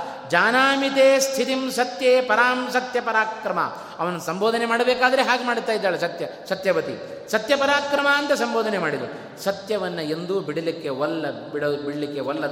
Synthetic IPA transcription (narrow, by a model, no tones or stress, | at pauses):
d͡ʒaːnaːmit̪eːst̪ʰit̪imsɐt̪jeːpɐɾaːmsɐt̪jɐpɐɾaːkɾɐmɐ̰ | ɐʋɐnːɐsɐmboːd̪ʱɐnemaːɽɐbɛːkaːd̪ɐɾeɦaːɡemaːɽt̪ːaːjid̪ːaːɭesɐt̪jɐsɐt̪jɐbɐt̪ḭ | sɐt̪jɐpɐɾaːkɾɐmɐɐnt̪ɐsɐmboːd̪ʱɐnemaːɽid̪ɐɾu | sɐt̪jɐʋɐnːɐe̞nd̪uːbiɽɐlikːe̞ɔlːɐbiɽɐbiɽɐlikːeʋɔlːɐ